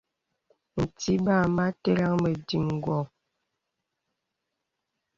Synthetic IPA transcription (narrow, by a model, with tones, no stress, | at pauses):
n̩˨ti˦ba˦˨ma˦te˦la˦ŋmə˨di˨ŋ˨ɡwɔ˨